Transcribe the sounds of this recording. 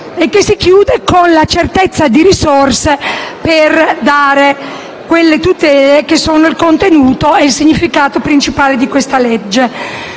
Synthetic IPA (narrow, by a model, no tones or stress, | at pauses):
ekːesikjuːd̪ekonlat͡ʃert̪et̪sːad̪iɾisorseperd̪aːɾe | kwelːet̪ut̪ɛːlek̟esːoːnoilkont̪enuːt̪oeilsiɲːifikaːt̪opɾint͡ʃipaːled̪ikwest̪aled͡ʒːe